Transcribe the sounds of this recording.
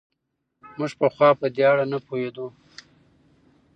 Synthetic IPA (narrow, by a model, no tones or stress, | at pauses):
mʊʒpəxwɑpəd̪eaɽanapohed̪u